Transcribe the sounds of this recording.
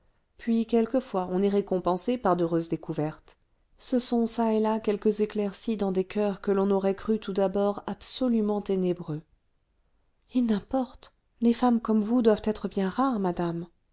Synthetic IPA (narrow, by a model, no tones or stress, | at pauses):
pɥikʲɛlkəfwaɔ̃nɛʁekɔ̃pɑ̃sepaʁd̪øʁøzd̪ekuvɛʁt̪ | səsɔ̃saelakʲɛlkəzeklɛʁsid̪ɑ̃d̪ekʰœʁkəlɔ̃nɔʁɛkχyt̪ud̪abɔʁabsɔlymɑ̃t̪enebʁø | enɛ̃pɔʁt̪ | lefamkɔmvud̪wavt̪ɛt̪χəbjɛ̃ʁaʁmad̪am